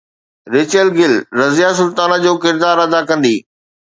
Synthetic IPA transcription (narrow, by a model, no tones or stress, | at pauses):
ɾɪːt͡ɕəlɡɪlɾɐzijasʊlt̪aːnad͡ʑoːkɪɾd̪aːɾɐd̪akɐ̃nd̪iː